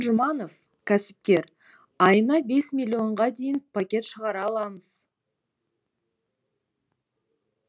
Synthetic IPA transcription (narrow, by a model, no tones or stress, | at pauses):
ʒʊmɑno̞f | kʲʰæsɪ̥p̚kʲe̞ɾ | ɑjənɑbe̞smʲilʲːio̞ɴʁɑd̪e̞jɪnpʰakʲe̞t̪ʃəʁɑɾɑːlˠɑməz̥